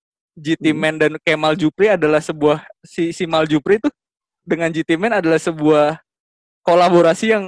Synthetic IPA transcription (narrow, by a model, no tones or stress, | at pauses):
d͡ʒit̪imɛndankemald͡ʒupɾiadalahsəbuahsisimald͡ʒupɾit̪u | dəŋand͡ʒit̪imɛnadalahsəbuah | kolaboɾasijaŋ